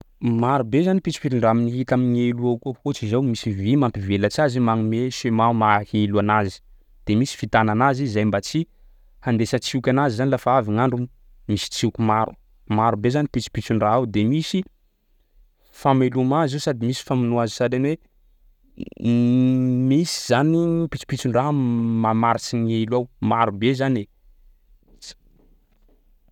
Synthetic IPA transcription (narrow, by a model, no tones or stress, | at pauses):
maɾubezanipit͡si̥pitiɳɖ͡ʐaminiɦit̪amineluakuakot͡sizawmisivimampivelat͡siazimaŋumesemamaheluanazi̥ | d̪̥emisi̥fit̪ananazizajmbat͡si | hand̪esət͡siukʲanazizanilafaaviŋaɳɖ͡ʐum | misi̥t͡siukumaɾʔu̥̰ | maɾubezanipit͡si̥pit͡suɳɖ͡ʐaawd̪emisi | famelumazisad̪imisi̥faminuazisadanwe | misi̥z̥anipit͡si̥pit͡suɳɖ͡ʐamamaɾit͡siŋelawmaɾubezane